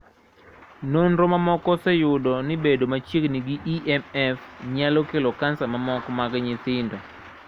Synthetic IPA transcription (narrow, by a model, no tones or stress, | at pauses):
nonɾɔmamɔkɔsɛjʊdɔnɪbedomat͡ʃjekniɡiʔiʔɛmɛfɲalɔkelɔkansamamɔkɔmaɡɲɪt̪ɪndɔ